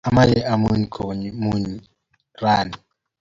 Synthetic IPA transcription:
a˨ma˦lɛ˦ʔa˨mu˦ɲi˨kʰo˨ɲmu˦ɲi˨ | raː˨ni˨

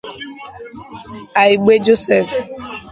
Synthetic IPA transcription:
a˨i˨ɡ͡be˦d͡ʒo˦sɛ˦˨f

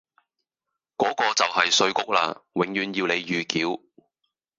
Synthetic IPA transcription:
kɔː˨˥kɔː˧t͡sɐ˨wɦɐ˨jsɵ˨˧ɥkʊ˥k̚la̰ː˧wɪ˨˧ŋjyː˨˧njiː˧wne˨˧jjyː˨kiː˨˥w

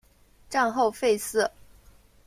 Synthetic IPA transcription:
ʈ͡ʂa˥˧ŋxo˥˧ʊfe˥˧ɪsɹ̩˥˩

